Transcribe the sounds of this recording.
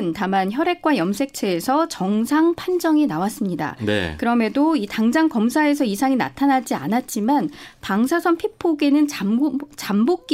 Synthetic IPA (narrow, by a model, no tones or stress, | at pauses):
ntamançjʌɾe̞k͈wajʌmsʰe̞k̚t͡ɕʰe̞ːsʰʌt͡ɕʌŋsʰaŋpʰand͡ʑʌŋinawas͈ɯmɲida̰ḛkɯɾʌme̞doitaŋd͡ʑaŋkʌmsʰae̞sʰʌisʰaŋina̰tʰanad͡ʑia̰nat̚t͡ɕ͈imanpaŋsʰasʰʌnpʰipʰoɡenɯnt͡ɕambok̚k͈